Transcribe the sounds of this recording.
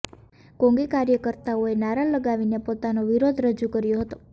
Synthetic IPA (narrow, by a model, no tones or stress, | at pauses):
kõŋɡikaɾjəkəɾt̪aoenaɾaləɡaʋinepot̪anoʋiɾod̪ʱɾəd͡ʒukəɾjoɦət̪o̥